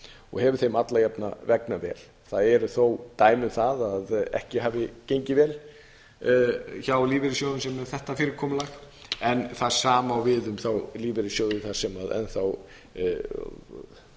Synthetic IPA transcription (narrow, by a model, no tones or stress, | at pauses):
ɔ̰ɣhɛvʏ̥ɾ̥θejmat̪lajapna̰vɛknavɛ̰ːl | θaðɛɾʏθowt̪aːjmʏmθaðaðɛ̰hcɪɦaːvɪcejɲcɪvɛːl | çawliːvɪɾɪs̬jowðʏnsɛmɛɾ̥θɛht̪afɪːɾɪkʰɔːmlax | ɛnθḁsaːmawvɪðʏmθawliːvɪɾɪsjoːwðʏθḁsɛmaðɛ̰nθaw